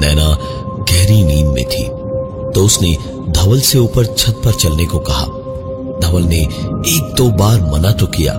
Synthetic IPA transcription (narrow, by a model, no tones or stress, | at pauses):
nɛːna | kɛɦɾiniːmːḛ̃t̪ʰḭː | t̪oːsne | d̪ʱɐʋəlseuːpəɾt͡ʃʰɐt̪̚pɐɾt͡ʃɐlnekokɐɦa̰ː | d̪ʱɐʋəlneeːk̚t̪obaːɾmɐnat̪okija̰ː